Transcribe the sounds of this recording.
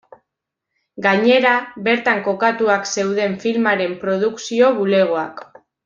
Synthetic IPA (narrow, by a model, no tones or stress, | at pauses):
ɡaɲe̞ɾaβe̞ɾt̪aŋko̞kat̪uakse̞wð̞e̞ɱfilmaɾe̞mpɾo̞ð̞uksio̞βule̞ɣ̞o̞ak